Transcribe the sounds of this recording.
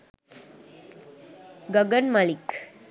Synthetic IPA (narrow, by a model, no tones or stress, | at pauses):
ɡəɡənmalik